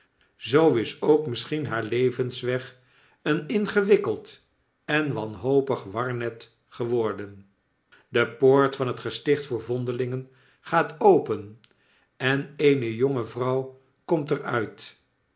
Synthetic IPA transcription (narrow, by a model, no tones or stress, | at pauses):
zowɪsowkmɪsχinɦaːɹlejvənsʋɛχ | ənɪnχəʋɪkəlˠt | ɛnʋɑnɦowpəχʋɑɹnɛt | χəʋɔɹdən | dəpoːɹtfɑnətχəstɪχtfʊːɹvɔndəlɪŋən | χaːtowpən | ɛnejnəjoŋəvrʌw | kɔmtərœɥt